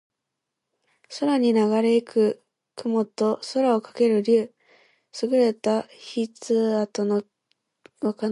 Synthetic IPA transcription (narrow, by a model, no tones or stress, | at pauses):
soɾaɲ̟inaɡaɾe̞ikʰɯ̟ | kɯ̟mo̞t̪o̞soɾao̞kḁke̞ɾɯ̟ɾʲɯː | sɨɡɯ̟ɾe̞t̪açit͡sɨat̪o̞no | βaka